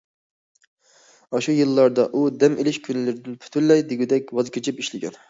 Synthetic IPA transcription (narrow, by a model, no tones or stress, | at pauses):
ɑʃujɨlˠːɑɾd̪ɑʔud̪ɛmelɪʃkʲʰynlɪɾɪd̪ɪnpʰy̥t̪ʰyllːɛjd̪ɪɡʲid̪ɛkʲwɑzkʲʰet͡ʃʰipiʃlɪɡʲɛ̰n